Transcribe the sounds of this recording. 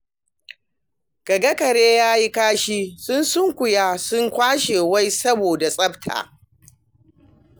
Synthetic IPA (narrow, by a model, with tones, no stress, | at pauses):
ɡ̥ɐ˨ɡɐ˦kɐ˨ɽeː˦jaː˦ji˦kaː˦ʃiː˦sʊ˦nsʊ˦ŋkʷʊ˨jaː˦sʊ˦ŋkʷaː˦ʃeː˨wa˦jsɐ˦boː˨da˨sʼɐ˦btʰa̰ː˨